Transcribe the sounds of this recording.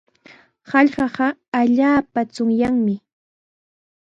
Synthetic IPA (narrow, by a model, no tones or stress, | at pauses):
hɑʎɢɑɢɑaʎaːpat͡sʊŋjaŋmɪ